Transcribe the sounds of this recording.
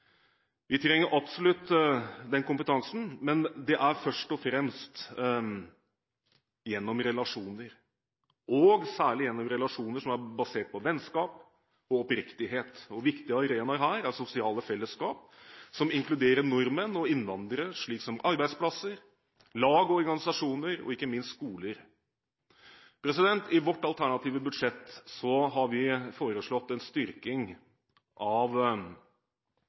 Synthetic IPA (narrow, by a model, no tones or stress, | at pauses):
ʋɪt̪ʰɾɛŋːəɾʔɑpsɔlʉt̪ːd̪ɛnkʰʊmpət̪ʰɑŋsn̩mɛnd̪ɛʔæɾfœʂʈɔfɾɛmst̪ | jɛnːɔmɾɛlɑʂuːnəɾ | ɔɡsæːɭɪjɛnːɔmɾɛlɑʂuːnəʂɔmæɾbɑseːʈ̚pʰɔʋɛnskɑːp | ɔɔpɾɪkt̪ɪɦeːt̪ɔʋɪkt̪ɪəɑɾeːnɑɾɦæːɾæsʊsɪɑːləfɛlːəskɑːp | sɔmɪŋklʉd̪eːɾənɔɾmənɔɪnːʋɑnd̪ɾəʂɭiːksɔmʔɑɾbæɪspʰlɑsəɾ | lɑːɡɔɔɾɡɑnɪsɑʂuːnəɾɔ̰ɪkːəmɪnst̪skuːləɾ | pʰɾɛs̬ɪd̪ɛnt̪ɪʋɔʈːɑlt̪ʰæɳɑt̪ʰiːʋəbʉd̪ʂɛt̪ːsɔɦɑɾʋɪfoːɾəʂɭɔt̪ːɛnst̪ʏɾkɪŋ | ʔɑʋ